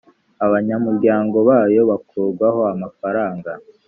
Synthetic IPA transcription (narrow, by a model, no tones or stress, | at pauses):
aβaɲamuɾɟaːŋɡo̞βaːjo̞βakʰuːɾɡwaɦo̞amafaɾaːŋɡa